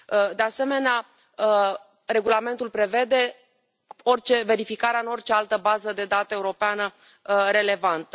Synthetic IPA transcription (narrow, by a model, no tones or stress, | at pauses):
d̪e̞ase̞me̞nea | re̞ɡulame̞nt̪ulpɾe̞ve̞d̪e̞ | o̞rt͡ʃe̞ve̞ɾifikaɾeaɨno̞rt͡ʃe̞alt̪əbazəd̪e̞d̪at̪əe̞uɾo̞peanə | ɾe̞le̞vant̪ə